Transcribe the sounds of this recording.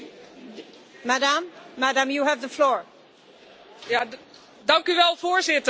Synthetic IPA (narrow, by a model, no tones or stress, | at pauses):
madãmːadãmjuəvðəflɔːɹ | ja | dɑŋkyʋɛlˠvoːɹzɪtə